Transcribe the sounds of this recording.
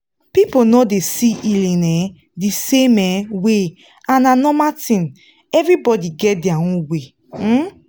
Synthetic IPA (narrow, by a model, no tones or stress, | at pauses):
piponɔdesiʔilĩnɛ | disẽmɛwe | ãnanɔmatĩn | ɛvɹibɔdiɡɛt̚diawũwe